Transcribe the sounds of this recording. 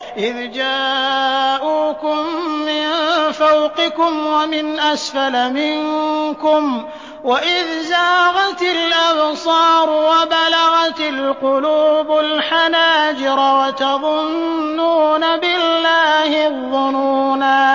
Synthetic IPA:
ʔɪðd͡ʒaː | ʔuːkʊmːɪnfawqɪkʊmwamɪnʔasfalamɪŋkʊm | waʔɪðzaːɣɑt̪ɪlʔɑbsˤɑːɾˤʊwabalaɣɑt̪alqʊluːbʊlħanaːd͡ʒɪɾwat̪ɑðˤʊnːuːnabɪlːaːhɪðˤːʊnuːnaː

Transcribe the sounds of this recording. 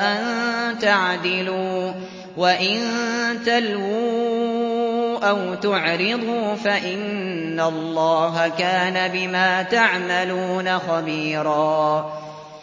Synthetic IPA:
ʔant̪aʕd̪ɪluː | waʔɪnt̪alwuː | ʔawt̪ʊʕɾɪd̪ˤuːfaʔɪnː | alˤːɑːɦakaːnabɪmaːt̪aʕmaluːnaxabiːɾˤɑː

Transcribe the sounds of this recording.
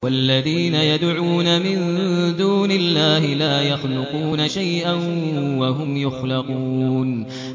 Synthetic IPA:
walːaðiːnajad̪ʕuːnamɪnd̪uːnɪlːaːhɪlaːjaxlʊquːnaʃajʔanwaɦʊmjʊxlɑquːn

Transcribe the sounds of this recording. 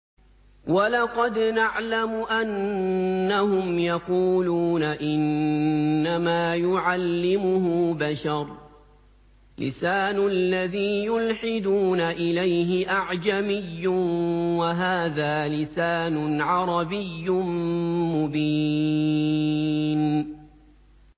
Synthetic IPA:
walɑqɑd̪naʕlamʊʔanː | ahʊmjɑquːluːnaʔɪnː | amaːjʊʕalːɪmʊhʊbaʃɑɾˤ | lɪ̰saːnʊlːaðiːjʊlħɪd̪uːnaʔɪlajɦɪʔaʕd͡ʒamɪjːʊwaɦaːðaːlɪsaːnʊʕɑɾˤɑbɪjːʊ | mʊbi | n

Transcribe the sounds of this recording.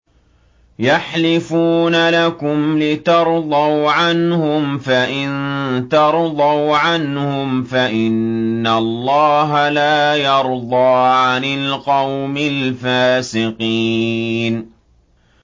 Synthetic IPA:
jaħlɪfuːnalakʊmlɪt̪ɑɾˤd̪ˤɑwʕanhʊmfaʔɪnt̪ɑɾˤd̪ˤɑwʕanhʊmfaʔɪnːalˤːɑːɦalaːjɑɾˤd̪ˤɑːʕanɪlqɑwmɪlfaːsɪqi | n

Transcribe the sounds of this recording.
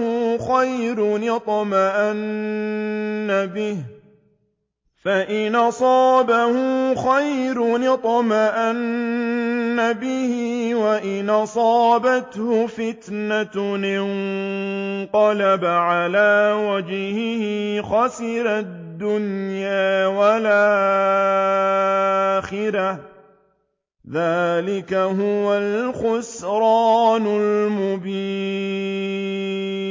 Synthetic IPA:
hʊxajɾʊnɪt̪ˤɑmaʔan | abɪh | faʔɪnʔɑsˤɑːbahʊxajɾʊnɪt̪ˤɑmaʔanː | abɪhɪwaʔɪnʔɑsˤɑːbat̪hʊfɪt̪nanɪn | qɑlabaʕalaːwad͡ʒhɪhɪxɑsɪɾad̪ːʊnjaːwala | xɪɾah | ðaːlɪkaɦʊwalxʊsɾɑːnʊlmʊbiː

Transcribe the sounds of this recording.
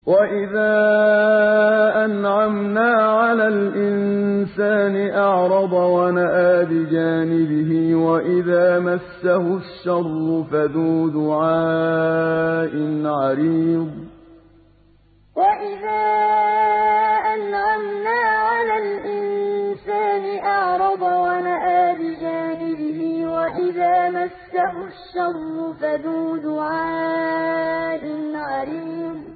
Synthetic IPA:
waʔɪðaː | ʔanʕamnaːʕalaːlʔɪnsaːnɪʔɑʕɾˤɑd̪ˤɑwanaʔaːbɪd͡ʒaːnɪbɪɦɪwaʔɪðaːmasːahʊʃːɑrˤːʊfaðuːd̪ʊʕaː | ʔɪnʕɑɾiːd̪ˤ | waʔɪðaː | ʔanʕamnaːʕalaːlʔɪnsaːnɪʔɑʕɾˤɑd̪ˤwanaʔaːbɪd͡ʒaːnɪbɪhɪwaʔɪðaːmasːahʊʃːɑrˤːʊfaðuːd̪ʊʕaː | ʔɪnʕɑɾiːd̪

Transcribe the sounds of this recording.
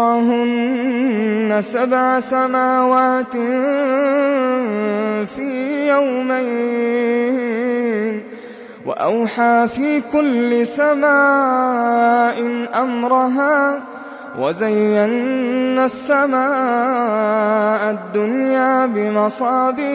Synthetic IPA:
ɑɦʊnː | asabʕasamaːwaːt̪ɪ | fiːjawmaj | n | wa̰ʔa̰wħaːfiːkʊlːɪsamaː | ʔɪʔamɾɑɦaː | wʔa̰zajːanːasːamaː | ʔad̪ːʊnjaːbɪmɑsˤɑːdɪ

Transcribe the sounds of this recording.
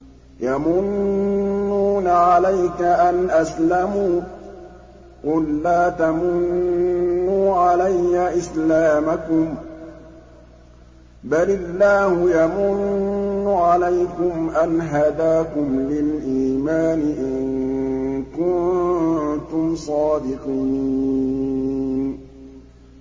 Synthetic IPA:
jamʊnː | uːnaʕalajkaʔanʔaslamuː | qʊlːaːt̪amʊnː | uːʕalajːaʔɪslaːmakʊm | balɪlːaːhʊjamʊnːʊʕalajkʊmʔanɦad̪aːkʊmlɪlʔiːmaːnɪʔɪŋ | kʊnt̪ʊmsˤɑːd̪ɪqiː | n

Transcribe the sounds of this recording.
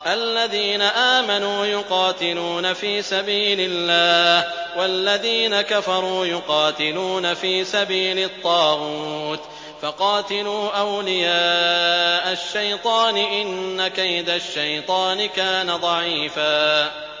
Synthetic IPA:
ʔalːaðiːnaʔaːmanuːjʊqɑːt̪ɪluːnafiːsabiːlɪlːaːhwalːaðiːnakafɑɾˤuːjʊqɑːt̪ɪluːnafiːsabiːlɪt̪ˤːɑːɣuːt̪ | fɑqɑːt̪ɪluːʔawlɪjaːʔaʃːajt̪ˤɑːnɪʔɪnːakajd̪aʃːajt̪ˤɑːnɪkaːnad̪ˤɑʕiːfaː

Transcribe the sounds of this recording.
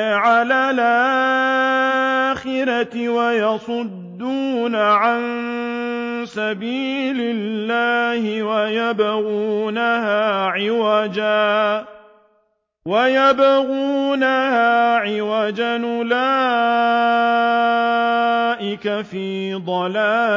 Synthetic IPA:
ʕalaːlʔaa | xɪɾaɪwajɑsˤʊd̪ːuːnaʕan | sabiːlɪlːaːhɪwajabaɣuːnahaːʕɪwad͡ʒaː | wajabaɣuːnahaːʕɪwaːd͡ʒanʊlaː | ʔɪkafiːd̪ˤɑlaː

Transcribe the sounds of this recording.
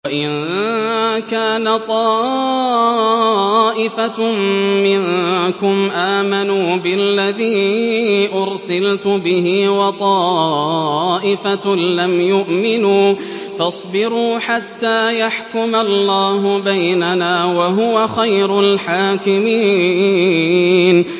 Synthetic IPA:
waʔɪn | kaːnat̪ˤɑː | ʔɪfa | mɪŋkʊmʔaːmanuːbɪlːaðiːʔʊɾsɪlt̪ʊbɪhɪwɑt̪ˤɑː | ʔɪfalamjʊʔmɪnuː | fɑsˤbɪɾuːħat̪ːaːjaħkʊmalːaːɦʊbajnanaːwaɦʊwaxajɾʊlħaːkɪmiː | n

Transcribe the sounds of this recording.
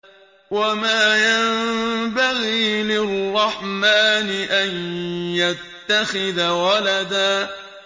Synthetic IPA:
wamaːjambaɣiːlɪrːɑħmaːnɪʔanjat̪ːaxɪðawalad̪aː

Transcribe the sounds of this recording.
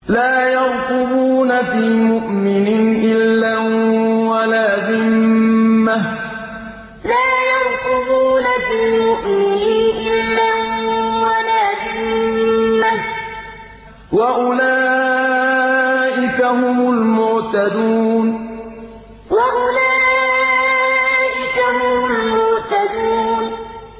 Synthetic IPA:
laːjɑɾq̪ʊbuːnafiːmʊʔmɪnɪnʔɪlːawalaːðɪmmː | ah | laːjɑɾˤkʊbuːnafiːmʊʔmɪninʔɪlːawalaːðɪmmːah | waʔʊlaː | ʔɪkaɦʊmʊlmʊʔt̪ad̪uːn | waʔʊlaː | ʔɪkahʊmʊlmʊʔt̪ad̪uːn

